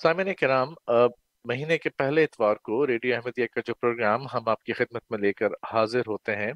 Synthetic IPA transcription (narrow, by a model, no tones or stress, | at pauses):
saːmiːneːkɪɾaːmː | ɐɦiːnekepɛɦleɪt̪ʋaːɾkoɾeːɖijoɛɦməd̪ijakad͡ʒoːpɾoːɡɾaːmɦɐmaːp̚kixɪd̪̚mət̪̚mẽleːkəɾhaːzɪɾɦoːt̪eɦɛ̃ː